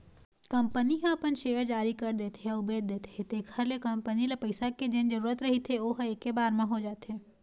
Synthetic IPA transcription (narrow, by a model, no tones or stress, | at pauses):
kɐ̃mpəniɦɐ̃ɐpənʃeːəɾd͡ʒaːɾikɐɾd̪eːt̪ɦeʊbeːd̪̚d̪eːt̪et̪eːkʰəɾlekɐ̃mpənilepɐɪsaked͡ʒeːnd͡ʒəɾuːɾət̪ɾɐɦit̪ʰeoːɦeːkːebaːɾmẽɦod͡ʒaːt̪ɦeː